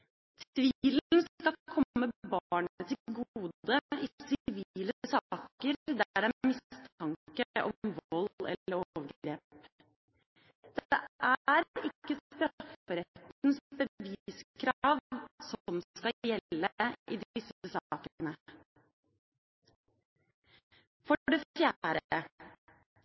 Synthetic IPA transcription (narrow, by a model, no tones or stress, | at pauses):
t̪ʰʋiːlən̩skɑkʰɔmːəbɑːɳət̪ʰɪɡuːd̪əɪsɪʋiːləsɑːkəɾd̪æɖæmɪst̪ʰɑŋkəʔɔ̰mʋɔlɛ̰lːəɾoʋəɡɾeːpp | d̪̥ɛʔæɾɪkːəst̪ɾfəɾɛt̪nsbəʋiːskʰɾɑːʋsɔmkɑjɛlːəʔid̪ɪsəsɑːkənə | fɔɖɛfjæːɾə